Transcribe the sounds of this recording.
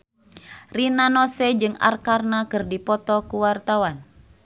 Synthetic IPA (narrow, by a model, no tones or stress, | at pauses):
rinanɔsɛd͡ʒɨŋa̰rkarnakɨrdipɔt̪ɔkuwart̪awan